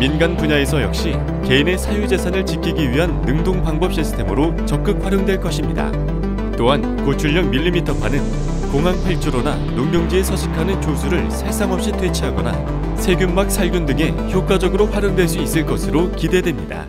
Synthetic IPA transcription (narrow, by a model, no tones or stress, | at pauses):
minɡanpuɲae̞sʰʌjʌk̚ɕ͈i | ke̞ine̞sʰajud͡ʑe̞sʰanɯɭt͡ɕikʰiɡiɥiɦanːɯŋdoŋpaŋbʌp̚ɕ͈isʰɯ̥tʰe̞mɯɾot͡ɕʌk̚k͈ɯk̚ɸwaɾjʌŋdwe̞ɭk͈ʌɕʰimɲida̰ | t͈oɦan | kot͡ɕʰuʎːʌkmiʎːimitʰʌpʰanɯn | koŋɦanpʰaɭt͡ɕʰuɾona | noŋmjʌŋd͡ʑie̞sʰʌɕʰi̥kʰanɯnt͡ɕosʰuɾɯɭsʰaɭs͈aŋʌp̚ɕ͈itʰwe̞t͡ɕʰiɦaɡʌna̰ | sʰe̞ɡjumːak̚sʰaɭɡjundɯŋe̞ | çjok͈wad͡ʑʌɡɯɾoɸwaɾjʌŋdwe̞ɭs̬͈uis͈ɯɭk͈ʌsʰɯɾokide̞dwe̞mɲida̰